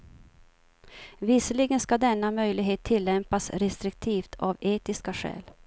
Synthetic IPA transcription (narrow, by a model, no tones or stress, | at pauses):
vɪsəlɪɡənskad̪ɛnːamœjlɪɡɦeːt̪ʰːɪlːɛmpasɾɛst̪ɾɪk̚t̪ʰiːft̪ʰaveːt̪ɪskaɧɛ̰ːl